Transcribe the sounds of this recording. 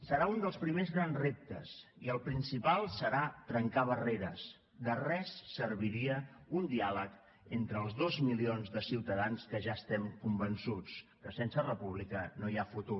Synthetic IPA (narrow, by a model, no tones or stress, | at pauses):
səɾaund̪əlˠspɾimezɣɾanzrep̚t̪ə̰s | iəlˠpɾinsipalˠsəɾat̪ɾəŋkaβ̞əreɾəs | d̪ərɛsːəɾβiɾiəund̪ialək | ent̪ɾəːlˠzðozmilionzðəsiwt̪əðanskəʒaəst̪ɛmkumbənsut͡skəsɛnsərəpuβlikənoiafut̪u